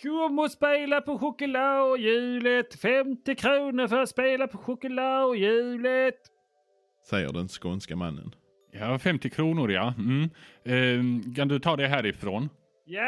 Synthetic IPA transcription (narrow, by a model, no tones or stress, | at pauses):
ɡʊmɔspeːlapɔɧʊkəlaʊjʉ̟ːlət̪fɛmt̪ɪkʰɾuːnəɾfœɾat̪speːlapʰɔɧʊkəlaʊjʉ̟ːlət̪ | sɛjːə̰ɖɛnskɔnskama̰nːə̰n | jafɛmt̪ɪkʰɾuːnʊɾja̰ | kʰand̪ɵt̪ʰɑːd̪ɛɦæːɾɪfɾoːn | j